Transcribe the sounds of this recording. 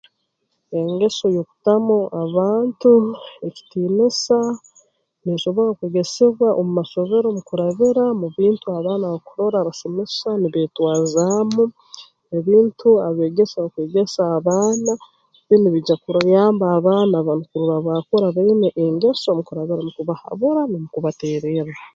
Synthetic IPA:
e̞ŋɡe̞so̞joku̥tamoaβaːntue̞ci̥tiːnesa | niʃo̞βo̞ɾakweːɡe̞seβwaʔomumaʃo̞βe̞ɾo̞mukuɾaβiɾamuβiːntuaβaːnaβakuɾo̞ɾaβasemesaniβetwaːzamu | eβiːntuaβe̞ːɡe̞saakweːɡe̞saːβaːna | βiniβiɟakuɾjaːmbaːβaːnaβanukuɾuɾaβakoɾaβaineʔeŋɡe̞so̞mukuɾaβiɾamukuβaha̰βuɾanimukuβateːɾeɾa

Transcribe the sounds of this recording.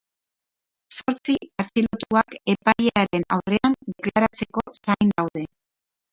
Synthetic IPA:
so̞ɾt͡siat͡ʃilot̪uake̞pajeaɾe̞na̰wre̞and̪e̞klaɾat͡se̞ko̞sajnd̪awðe̞

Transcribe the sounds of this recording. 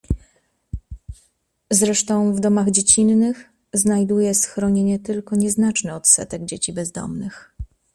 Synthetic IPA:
zɾɛʂt̪ɔ̃w̃vd̪ɔmaɣd͡ʑet͡ɕinːɘx | znajd̪ujɛsxɾɔɲeɲɛt̪ɘlkɔɲɛznat͡ʂnɛɔt̪sɛ̰t̪ɛɡ̚d͡ʑet͡ɕibɛzd̪ɔ̰mnɘx

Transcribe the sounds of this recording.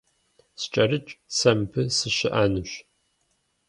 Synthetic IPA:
st͡ʃʼɐrɨt͡ʃʼsɐmpʰɨsɨɕɪʔanɨɕ

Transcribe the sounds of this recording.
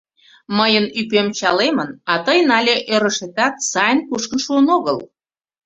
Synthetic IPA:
məjənypemt͡ɕɑlemənɑt̪əjnɑlʲeʔøɾəʃet̪ɑt̪sɑjənkuʃkənʃuənoɣəl

